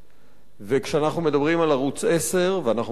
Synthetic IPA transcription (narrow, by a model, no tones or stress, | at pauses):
vekʃeanaχnume̞d̪abʁimalaʁut͡sese̞ʁveanaχ